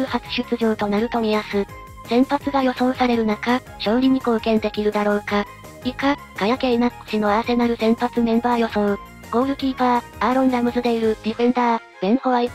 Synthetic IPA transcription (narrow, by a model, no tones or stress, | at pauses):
ɯ̟hat͡sɨ̥ɕɨt͡sɨʑoːt̪o̞naɾɯ̟t̪o̞mʲiasɨ | sẽ̞mpat͡sɨɡajo̞sõ̞ɰ̃saɾe̞ɾɯ̟naka | ɕõ̞ːɾʲiɲ̟ikoːkẽ̞nd̪e̞kʲiɾɯ̟d̪aɾo̞ːka | ika | ɡ̥ajake̞inḁt͡ɕino̞ase̞naɾɯ̟sẽ̞mpat͡sɨmẽ̞mbaːjo̞sõ̞ɰ | ɡ̥o̞ːɾɯ̟kʲiːpa | aːɾõ̞ŋɡamɯ̟zɨd̪e̞iɾɯ̟d̪ʲiɸẽ̞nd̪aː | ɡ̥ẽ̞ɰ̃ho̞βai